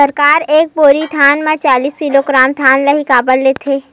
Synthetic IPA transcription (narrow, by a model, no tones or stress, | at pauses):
əɾkaːɾeːk̚boːɾit̪ʰaːnmẽt͡ʃaːliːskiloɡɾaːmt̪ʰaːnlɐɦikaːbəlːeːt̪ʰeː